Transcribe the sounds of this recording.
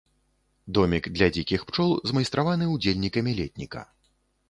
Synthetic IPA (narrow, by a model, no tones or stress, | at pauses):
d̪ɔmʲiɡd̪lʲɐd͡zʲikʲixpt͡ʂɔlˠzmɐjst̪ɾavanɨud͡zʲelʲnʲikɐmʲilʲɛt̪̚ʲnʲikɐ̰